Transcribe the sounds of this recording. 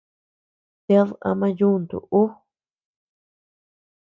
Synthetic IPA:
t̪e˦ða̰˧mã˦ju˦nd̪ṵ˨ʔu˦

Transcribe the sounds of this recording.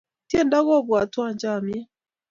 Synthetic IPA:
tjɛː˦˨nda˦ɣɔ˦βwa˨twa˦˨ɲd͡ʒa˨mjɛ˦

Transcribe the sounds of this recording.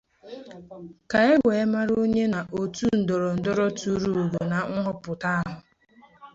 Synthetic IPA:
ka˨e˦ɡʷe˨e˦ma˦ɾo˦ɲe˦na˨ʔo˨tu˦n̩˨dɔ˨ɾɔ˨n̩˨dɔ˦ɾɔ˦tu˦ɾu˦˨u˨ɡo˨na˨ŋ̩˦ɦʊ˦pʊ˨ta˦a˦ɦʊ˨

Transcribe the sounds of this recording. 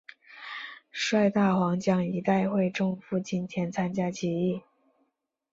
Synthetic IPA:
ʂwa˥˧ɪt̪a˥˩xwɑ˧˥ŋt͡ɕjɑ˥ŋi˧˥t̪a˥˧ɪxwe˥˧ɪʈ͡ʂɤ˥˧ŋfu˥˩t͡ɕi˥˩nt̪ʰjɛ˧˥nt͡sʰa˥nt͡ɕja˥t͡ɕɛ˧˥i˥˩

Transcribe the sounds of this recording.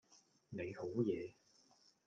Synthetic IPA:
ne˨˧jho˨˥wjɛː˨˧

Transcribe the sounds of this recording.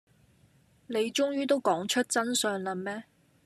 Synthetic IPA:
le˨˧jt͡ʃʊ˥ŋjyː˥t̪o˥wkɔː˨˥ŋt͡ʃʰɵ˥t̚t͡sɐ˥nsœː˧ŋlɐ˧mɛː˥

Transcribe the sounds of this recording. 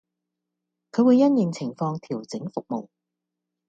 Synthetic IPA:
kʰɵ˨˧wuː˨˧jːɐ˥njɪ˨˩ŋt͡sʰɪ˨˩ŋfɔː˧ŋt̪ʰiː˨˩wt͡sɪ˨˥ŋfʊ˨k̚mo̰˨w

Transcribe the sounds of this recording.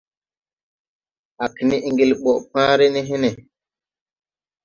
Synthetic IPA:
a˨kni˦ʔi˨ŋɡi˨lɓɔ˨ʔpãː˦ɾɛ˦nɛ˦ɦɛ˦nɛ˨

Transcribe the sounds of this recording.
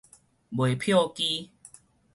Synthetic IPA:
bwe˨˩pʰjo˥˨ki˦

